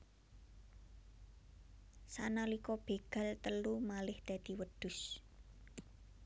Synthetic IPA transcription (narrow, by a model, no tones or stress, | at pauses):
sanalikɔb̥e̤ɡ̥a̤lt̪əlumalɪhd̪̥ä̤d̪̥i̤wəd̪̥ʊ̤s